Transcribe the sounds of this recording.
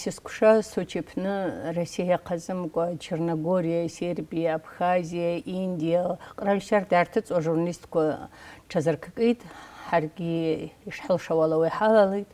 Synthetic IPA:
siskʷʰʂasot͡ʃʰepʰnɨrosijajaqʰazʼɨmkʷʼat͡ʃʰernoɡo̞ɾijase̞rbijaːpʰχazijaʔindijaqʼralʲʃardaːrtʰɨt͡sʼwaʐurnalistʰkʷʰaʈ͡ʂʰazɨrkʰkʼitʼħarɡʲiːʂħəlʂawalawijħalalejtʼ

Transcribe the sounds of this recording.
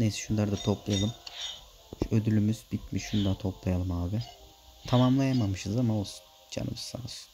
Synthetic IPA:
nejsɛ̥ʃund̪aɾd̪at̪ʰo̞plˠajalˠɯm | ø̞d̪ylʲymyz̥bit̪miʃunud̪at̪ʰo̞plˠajalˠɯmhaːbɪ | t̪ʰamamlˠajamamɯʃɯzamaosu̥ | d͡ʒa̰nɯ̰mɯsa̰s

